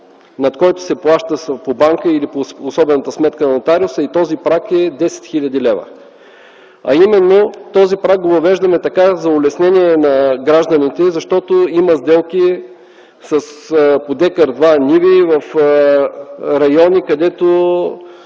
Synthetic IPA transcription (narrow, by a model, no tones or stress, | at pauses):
nɐt̪kɔjt̪ʊ̥sɛplˠaʃt̪əspobaŋkəilipoːsɔbɛnət̪əsmɛt̪̚kənɐnot̪aɾiʊsəit̪ɔzipɾakɛd̪ɛsɛ̥t̪xilʲɐd̪ilɛvə̰ | ɐ̰imɛnːot̪ɔzipɾak̚ɡovɐvɛʒd̪ɐmɛt̪ɐkazɐʊlɛsnɛnʲiɛnɐɡɾaʒd̪ənit̪ɛzɐʃt̪ɔt̪oiməzd̪ɛlˠki | sɐspod̪ɛkəɾd̪vanivivəf | ɾɐjɔnikɐd̪ɛt̪o